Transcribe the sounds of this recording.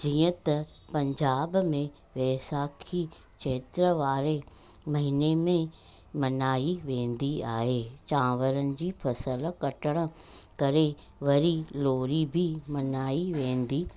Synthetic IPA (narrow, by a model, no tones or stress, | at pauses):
d͡ʑiːə̃t̪ɐ | pɐ̃ɲd͡ʑaːbmẽ | ʋeːsaːkʰi | t͡ʃʰeːt̪ɾəʋaːɾe | mɐɦinemẽ | mɐnaːiʋẽːn̆d̪iaːɦeːt͡ɕãːʋəɾənɪ̆d͡ʑiːfʰɐsəlkɐʈəɽ̃ə̆kɐɾe | ʋɐɾiloːɾibʱimɐnaːiʋẽːn̆d̪iː